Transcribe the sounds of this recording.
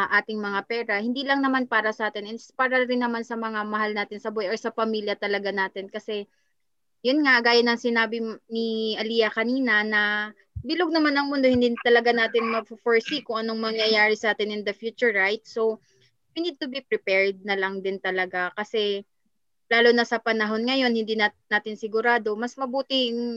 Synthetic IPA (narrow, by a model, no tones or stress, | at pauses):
ʔaːt̪ɪŋmɐŋapɛːɾɐhɪnd̪iːlɐŋnɐmanpaːɾɐsɐʔaːt̪ɪnɛnspaːɾɐɾɪnːɐmansɐmɐŋamɐhalnaːt̪ɪnsɐbʊɛʔosɐpɐmiːljɐt̪ɐlɐɡanaːt̪ɪnkɐsɛ | jʊnŋaɡaːjɐnɐŋsɪnaːbɪnɪʔɐlijɐkɐniːnɐnɐ | bɪloɡ̚nɐmanːɐŋmʊnd̪o̞hɪ̃nd̪it̪ɐlɐɡanaːt̪ɪnmɐɡ̚ffoɹsikʊŋʔɐno̞ŋmɐŋjɐjaːɾɪsɐʔaːt̪ɪnɪnd̪ɐfjuːt͡ʃʊɹːajt̪̚so̞ | jʊnid̪̚t̪ʊbipɾɪpɛɹd̪̚nɐlɐŋd̪ɪnt̪ɐlɐɡakɐsɛ | laːlonɐsɐpɐnɐɦo̞nŋɐjo̞nhɪnd̪inanaːt̪ɪnsɪɡʊɾaːd̪o̞mɐsmɐbuːt̪ɪŋ